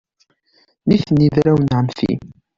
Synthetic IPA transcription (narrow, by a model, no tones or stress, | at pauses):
niθnːiðɾæwnʕəmfḭ